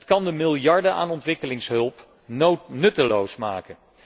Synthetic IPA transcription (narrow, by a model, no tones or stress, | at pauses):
tkɑndəmɪlˠjɑɹdəʔa̰ːnɔntʋɪkəlɪŋsɦɵlˠp | nɵtəlowsma̰ːkən